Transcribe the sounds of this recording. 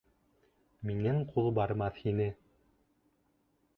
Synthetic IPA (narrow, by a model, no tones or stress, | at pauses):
minɘɴqʰulˠbɑɾmɑθhinɘ